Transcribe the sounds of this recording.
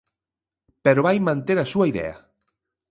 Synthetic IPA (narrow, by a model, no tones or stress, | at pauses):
peɾoβajmãnt̪eɾasuaiðɛ̰a̰